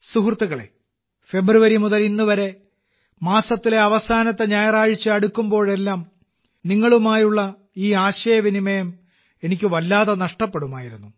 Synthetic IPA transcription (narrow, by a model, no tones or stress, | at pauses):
suɦrt̪ːuɣɐɭḛ | fe̞bruʋɐɾimuðɐlinːuʋɐɾe̞ | maːsɐt̪ːile̞ɐʋɐsaːnɐt̪ːeɲɐjɐraːɻit͡ɕːɨɐɽukːumbo̞ːɭe̞lːaːm | niŋːɐɭumaːjuɭːɐ | iːaːɕɐjɐʋinimɐjɐm | e̞nikʲːɨʋɐlːaːðɐnɐʂʈɐpːe̞ɽumaːjiɾunːu